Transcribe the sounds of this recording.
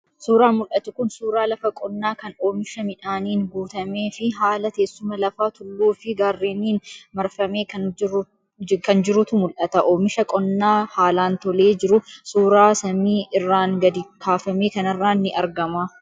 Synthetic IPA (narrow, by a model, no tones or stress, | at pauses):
suːɾaːmʊlʔɐt̪ʊkʊnsuːɾaːlɐfɐkʼɔnːaːkɐno̞ːmɪʃɐmɪᶑaːniːŋɡuːt̪ɐmeːfɪɦaːlɐt̪eːsːʊmɐlɐfaːt̪ʊlːuːfɪɡaːrːeːniːnmɐɾfɐmeːkɐ | kɐnd͡ʒɪɾʊt̪ʊmʊlʔɐt̪ɐʔo̞ːmɪʃɐkʼɔnːaːhaːlaːnt̪ɔle̞ːd͡ʒɪɾʊsuːɾaːsɐmiːʔɪrːaːŋɡɐd̪ɪkʰaːfɐme̞ːkɐnɪrːaːnːɪʔɐɾɡɐmaː